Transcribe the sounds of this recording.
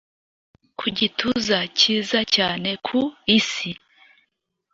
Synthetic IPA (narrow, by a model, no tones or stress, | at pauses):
kʰuɟituzaciːzacaːne̞kʰuisi